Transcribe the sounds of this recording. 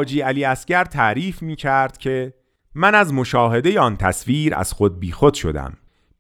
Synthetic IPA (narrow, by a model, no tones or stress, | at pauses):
d͡ʒiːæliːæscæɾt̪ʰæʔɾiːfmiːcʰæɾd̪̥cʰe̞ | mænæzmo̞ʃɒːɦe̞d̪e̞jeɒːnt̪ʰæ̰sviːɾæ̰z̥xod̪̚biːxo̞d̪̥ʃo̞̰d̪æ̰m